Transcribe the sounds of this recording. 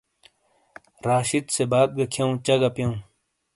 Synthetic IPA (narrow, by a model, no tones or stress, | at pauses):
ɾaːɕit̪sebaːd̪̚ɡɐkʰjɐũt͡ɕɐɡɐpjɐũ